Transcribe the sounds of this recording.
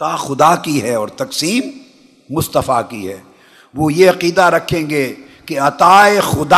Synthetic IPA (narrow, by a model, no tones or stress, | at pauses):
aːxʊd̪akiɦɛɔːɾt̪ɐksiːmː | ʊst̪əfakiɦɛ̰ː | ʋoːjeɐqiːd̪aɾɐkʰːẽːŋɡeː | keɐt̪aːexʊd̪a